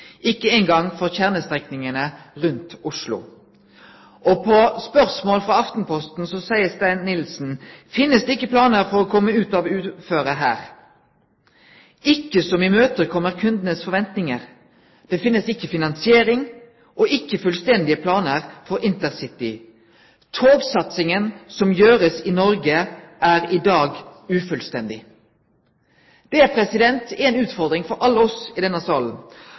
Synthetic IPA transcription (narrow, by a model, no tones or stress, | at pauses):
ʔɪkːəeɪŋɡɑŋfɔʁçæʁnəst̪ʁɛknɪŋənəʁʉnt̪ʊʂlʊ̰ | ʔɔpʰɔspœʁsmoːlfʁɑɑft̪n̩pʰɔst̪n̩sɔsæɪəst̪æɪnnɪlsn̩fɪnːəsd̪ɛːɪkːəpʰlɑːnəʁfɔʁɔkʰɔmːəʉːt̪ɑʋʉːt̪føːʁəɦæ̰ːʁ | ɪkːəsɔmɪmøːt̪əkʰɔmːəʁkʰʉnd̪ənəsfɔʁʋɛnt̪nɪŋəʁ | d̪̥ɛfɪnːəsɪkːəfɪnɑnsɪeːɾɪŋ | ʔɔʔɪkːəfʉlst̪ɛnd̪ɪəpʰlɑːnəʁfɔɾɪnt̪əʁsɪt̪ɪ | t̪ʰoːɡsɑt̪sɪŋənsɔmjøːɾəsɪnɔɾɡəʔæːʁɪd̪ɑːɡʉːfʉlst̪ɛnd̪ɪ | d̪̥ɛæʁpʰɾɛsɪd̪ɛnt̪ɛɛnʉːt̪fɔʁd̪ʁɪŋfɔɾɑlːəɔsɪd̪ɛnːəsɑːln̩